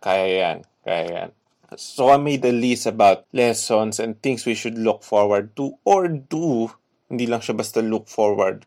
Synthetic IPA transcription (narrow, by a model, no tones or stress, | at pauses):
kajaja̰n | ka̰ja̰ja̰n | soamejd̪ɐlisɐbawt̪̚lɛsɔnsɛ̃nd̪̚θɪ̃ŋswiʃʊd̪lʊk̚fɔɹwɐɹd̪̚t̪uʔoɹd̪u | hɪnd̪iːlɐŋʃabɐst̪ɐlʊk̚fɔɹwɐ̰ɹd̪̚